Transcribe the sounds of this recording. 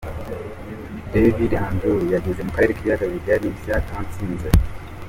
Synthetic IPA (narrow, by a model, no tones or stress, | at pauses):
devidanduijaɡezemukaɾeɾikiβiaɡawivjaɾisiakant͡siːnze